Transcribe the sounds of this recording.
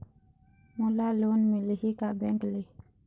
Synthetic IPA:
mulalunmilihikabɛŋkle

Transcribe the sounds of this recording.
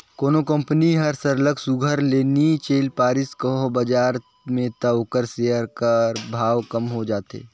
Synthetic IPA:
koːnokə̃mpəniɦɐɾsəɾləksʊɡʱəɾleːnit͡ʃeːlpaːɾɪskəɦobɐd͡ʒaːɾ | mẽt̪ɐʋkəɾseːəɾkəɾbʱaːʋkɐmɦod͡ʒaːt̪ḛː

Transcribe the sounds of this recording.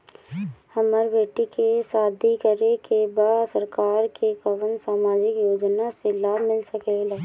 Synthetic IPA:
həməɾbeːʈikesaːd̪ʱikəɾekebaːdsəɾkaːɾkekəʋənsaːmaːd͡ʒɪkjoːd͡ʒnaselaːbʱmɪlsəkelaː

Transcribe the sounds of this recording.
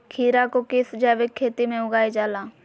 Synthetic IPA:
kʰiːɾakokɪsd͡ʒɛːʋɪkʰːeːt̪imẽʊɡaːed͡ʒaːlaː

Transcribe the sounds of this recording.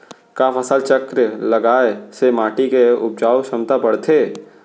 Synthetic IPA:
kaːfəsəlt͡ʃəkɾlɐɡaːesemaːʈikeʊp̚d͡ʒaːwʃɐmt̪apɐɽt̪ʰeː

